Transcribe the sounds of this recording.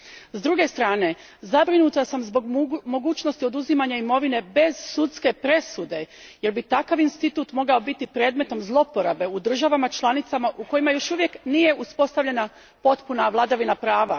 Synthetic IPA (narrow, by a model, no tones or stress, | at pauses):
zd̪ɾuɡe̞st̪ɾaːne̞ | zabɾinut̪asamzboɡmo̞ɡuːt͡ʃnost̪io̞d̪uzimaɲaimo̞ʋine̞be̞z̥sut̪ske̞pɾe̞sud̪e̞ | je̞ɾbit̪akaʋinst̪it̪uːt̪mo̞ɡao̞bit̪ipɾe̞ːd̪me̞t̪o̞mzlˠo̞po̞ɾabe̞ud̪r̩ʒaʋamat͡ʃlˠanit̪samaʔuko̞jimajo̞ʃuʋje̞knije̞ʔuspo̞st̪aʋʎe̞na | po̞t̪punaʋlˠad̪aʋinapɾaːʋa